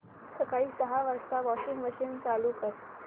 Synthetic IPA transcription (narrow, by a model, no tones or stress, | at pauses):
səkaɭiːsəɦaʋəɾst̪aʋɔɕiŋɡʋəɕint͡salukəɾ